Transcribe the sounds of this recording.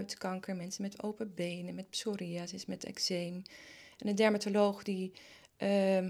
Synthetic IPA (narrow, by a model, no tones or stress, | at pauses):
ɥtkɑŋkəɹmɛnsənmɛto̰wpəbejnəmɛt̚psoɾiasɪsmɛtɛ̰ksejmɛnəndɛɹmatolowχdi